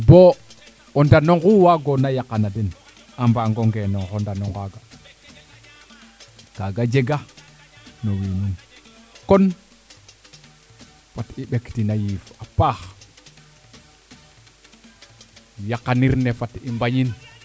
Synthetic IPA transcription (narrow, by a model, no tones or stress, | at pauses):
bo | ondanoŋɡuwaɡonajakanaden | ambaŋɡoŋɡenoŋxondanoŋɡaɡa | kaɡad͡ʒeɡa | nowininkon | fatiɓektinajifapax | jakːaniɾnefatimbaɲin